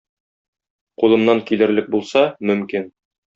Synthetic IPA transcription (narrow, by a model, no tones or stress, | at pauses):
qulˠɤ̆mnɑŋkilɘ̆ɾlɘk̚bulˠsɑmɵ̆mkin